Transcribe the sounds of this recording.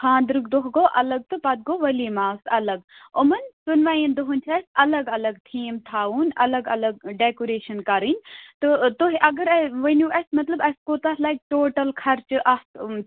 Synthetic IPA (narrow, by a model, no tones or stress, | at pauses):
kʰãːnd̪ɾukd̪oɦɡoːʔɐlɐɡ̚t̪ɨpɐt̪̚ɡoːʋɐliːmaːsɐ̰lɐɡʊmɐnsunʋaːjind̪oɦunʲt͡ʃʰɐsɐlɐɡɐlɐɡt̪ʰiːmt̪ʰaːuːnɐ̰lɐɡɐ̰lɐɡɖekoɾeːʃɐnkɐɾinʲt̪ot̪oɦiʔɐɡɐɾɐʋɐnuʔɐsmɐt̪lɐbɐskoːt̪ɐslajk̚ʈoːʈɐlkʰɐɾt͡ʃɨʔɐt̪